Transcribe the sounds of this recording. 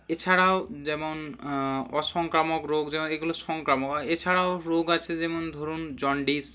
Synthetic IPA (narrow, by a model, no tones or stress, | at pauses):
et͡ʃʰaɽaod͡ʒɛmɔn | ɔsɔŋkɾamɔkɾoɡd͡ʒɛmɔneɡulosɔŋkɾamɔkaet͡ʃʰaɽaoɾoɡat͡ʃʰed͡ʒɛmond̪ʱoɾund͡ʒɔɳɖis